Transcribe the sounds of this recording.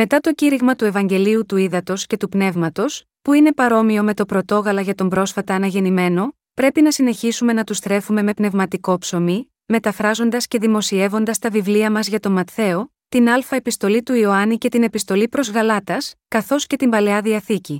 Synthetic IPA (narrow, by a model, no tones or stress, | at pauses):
me̞t̪ɐt̪o̞ciɾiɣmɐt̪ue̞vɐɲɟe̞liut̪uiðɐt̪o̞sce̞t̪upne̞vmɐt̪o̞s | puine̞pɐɾo̞mio̞me̞t̪o̞pɾo̞t̪o̞ɣɐlɐʝɐt̪o̞mbɾo̞sfɐt̪ɐːnɐʝe̞nime̞no̞ | pɾe̞pinɐsine̞çisume̞nɐt̪ust̪ɾe̞fume̞me̞pne̞vmɐt̪iko̞pso̞mi | me̞t̪ɐfɾɐzo̞nd̪ɐsce̞ðimo̞sie̞vo̞nd̪ɐst̪ɐvivliɐmɐzʝɐt̪o̞mɐt̪θe̞o̞ | t̪inɐlfɐepist̪o̞lit̪uio̞ɐnice̞t̪ine̞pist̪o̞lipɾo̞zɣɐlɐt̪ɐskɐθo̞sce̞t̪imbɐle̞ɐðiɐθici